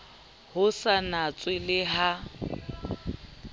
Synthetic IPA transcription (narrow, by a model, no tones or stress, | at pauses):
hʊsanat͡sʼwɪlɪɦa